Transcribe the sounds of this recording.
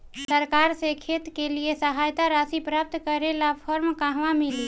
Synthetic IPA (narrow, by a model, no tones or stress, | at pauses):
səɾkaːɾsekʰeːt̪keliesəɦaːjt̪aɾaːsipɾaːp̚t̪kəɾelapʰəɾmkaɦʋamili